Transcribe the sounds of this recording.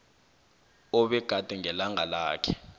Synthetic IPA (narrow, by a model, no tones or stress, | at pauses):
ɔɓɛɡ̥ʱad̥ʱɛŋɛlaŋalaːkʰɛ